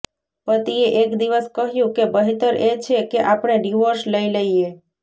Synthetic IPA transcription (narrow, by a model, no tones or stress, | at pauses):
pət̪ieʔekd̪iʋəskəɦjũkebəɦit̪əɾet͡ʃʰekeʔapɳ̃eɖiʋoɾsləiləie